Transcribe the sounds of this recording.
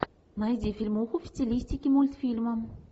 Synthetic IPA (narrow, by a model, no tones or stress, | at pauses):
najzʲifilʲmoxofʲi̥t̪t͡sʲelʲist̪ʲikʲimulʲt̪filʲməm